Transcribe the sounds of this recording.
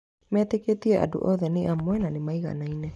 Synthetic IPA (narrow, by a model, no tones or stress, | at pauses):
meat̪eketieʔa̰dṵʔoðeniʔamoenanimajɣa̰najne